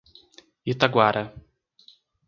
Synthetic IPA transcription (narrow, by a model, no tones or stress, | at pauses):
it̪aɡwaɾʔɐ